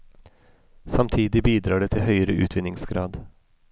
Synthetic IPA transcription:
sɑmt̪ʰiːd̪ɪbiːd̪ɾɑːɖeːt̪ʰɪhœʏəɾəʔʉ̰ːt̪ʰʋɪnɪŋsɡɾɑːd̪

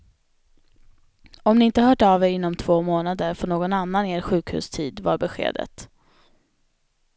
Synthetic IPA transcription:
ɔmnɪɪnt̪əɦœːʈaveːɾɪnːɔmt̪ʰvoːmoːnad̪əɾfoːɳoːɡɔnanːanɪeːɾɧʉ̟ːkhʉ̟̰ːst̪ʰiːd̪va̰ɾbɛɧḛːd̪ə̰t̪

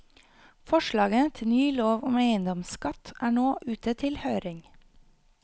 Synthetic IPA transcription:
fɔʃlɑːɡət̪ʰɪnyːloːʋɔmeɪənd̪ɔmskɑt̪ʔæːɳoːʔʉːt̪ət̪ʰɪlhøːɾɪŋ

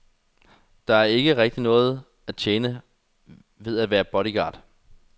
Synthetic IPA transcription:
d̥ɑ̈æɐe̝ɡ̥əʁɛɡ̥̚d̥inɔ̽ːð̞̩ˠ | æt͡ɕʰeːnə | ʋe̝ð̞ˠæd̥ʋæːɐb̥ɒ̽ɾiɡ̥ɑ̰̈ːd̥

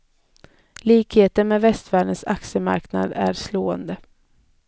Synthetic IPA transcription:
liːkheːt̪ənmeːvɛst̪væːɖənsaksəma̰ɾkna̰d̪æɾsloːɛ̰nd̪ə

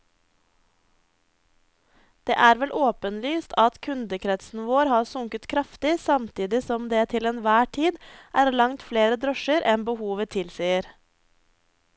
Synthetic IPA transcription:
d̪̥ḛːʔæːɾʋɛlʔoːpənlyːst̪ʰɑt̪kʰʉnd̪əkʰɾɛt̪sn̩ʋoːɾhɑːsʊŋkət̪kʰɾɑft̪ɪsɑmt̪iːd̪ɪsɔmd̪eːt̪ʰɪlɛːnʋæːʈʰiːd̪ʔæːɾlɑŋt̪fleːɾəd̪ɾœʃəɾʔɛnbəhuːʋət̪ʰɪlsiːəɾ

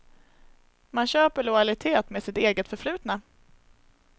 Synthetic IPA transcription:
manɕøːpəɭʊalɪt̪ʰeːt̪meːsɪt̪eːɡət̪fœɾflʉ̟ːt̪na

